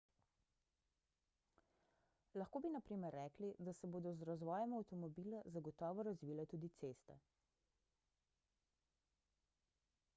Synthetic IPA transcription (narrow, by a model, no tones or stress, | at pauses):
laxkoːbinapɾiːmɛɾːɛːklid̪asɛboːd̪ɔzɾazʋɔːjɛmawt̪ɔmɔbiːlazaɡɔt̪ɔːʋɔɾazʋiːlɛt̪uːd̪it̪seːst̪ɛ̰